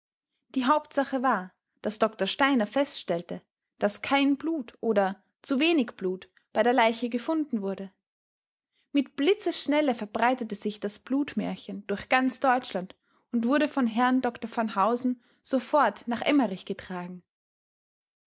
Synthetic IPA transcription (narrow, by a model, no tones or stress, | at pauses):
d̥iːɦaʊptz̥aχəvaːɐ | d̥asd̥ɔktɐʃtaɪnɐfɛstʃtɛltə | d̥askʰaɪnbluːtʔoːdɐ | t͡suveːnɪçb̥luːt | b̥aɪdeːɐlaɪçəɡəfʊndn̩vʊɐdə | mɪtb̥lɪt͡səʃnɛləfɛɐbʁaɪtətəz̥ɪçd̥asb̥luːtmɛ̰ːɐçənd̥ʊɐçɡ̥ant͡sd̥ɔʏt͡ʃlant | ʊntv̥ʊɐɾəfɔnɦɛɐndɔktɐfanhaʊzn̩ | z̥ofɔɐtnaːχʔɛməʁɪçɡ̥ətʁ̥aːɡŋ̩